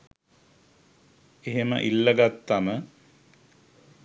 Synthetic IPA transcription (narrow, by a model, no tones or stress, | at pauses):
eɦemə̰ʔilːəɡat̪ːamə